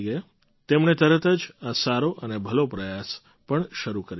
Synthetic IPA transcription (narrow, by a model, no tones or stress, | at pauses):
ɡəe | t̪emɳet̪əɾət̪əd͡ʒasaɾoʔənebʱəlopɾəjas | pəɳʃəɾukəɾi